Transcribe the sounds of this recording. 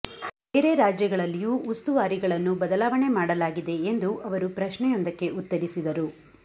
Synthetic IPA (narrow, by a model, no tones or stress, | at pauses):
eɾeɾaːd͡ʒjɐɡɐɭɐlːijuːʔust̪uʋaːɾiɡɐɭɐnːubɐd̪ɐlaːʋɐɳe̞maːɽɐlaːɡid̪e̞ːnd̪uʔɐʋɐɾupɾɐʃɳɛjond̪ɐkːe̞ʔut̪ːɐɽisid̪ɐɾu